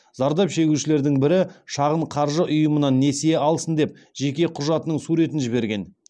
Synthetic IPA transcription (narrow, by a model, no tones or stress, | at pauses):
zɑɾd̪ɑpʃe̞ɡʲuʃɪle̞ɾd̪ɪŋbɪɾɪʃɑʁəɴqʰɑɾʒəʔʊjəmənɑnːe̞sejeɑlˠsənd̪e̞p̚ | ʒ̥e̞kʲe̞qʰʊʒɑt̪ənəɴsuɾe̞t̪ɪnʒɪβe̞ɾɡʲe̞n